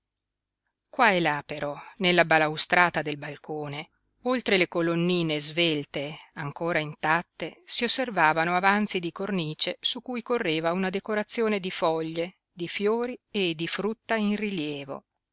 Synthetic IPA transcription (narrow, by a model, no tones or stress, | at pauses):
kwaelapeɾɔnelːabalawst̪ɾaːt̪ad̪elbalkʰoːne | olt̪ɾelekolonːiːnezvelt̪eaŋkoːɾaint̪at̪ːesiosːervaːvanoavant̪sid̪ikorniːt͡ʃesukːuːjkorːeːvaunad̪ekoɾat̪sːjoːned̪ifɔʎːe | d̪ifjoːɾied̪ːifɾut̪ːainriljɛːvo̰